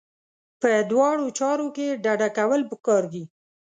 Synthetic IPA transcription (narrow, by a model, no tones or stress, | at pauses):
pəd̪wɑɽot͡ʃɑɾokeɖaɖakawəlpəkɑɾɡi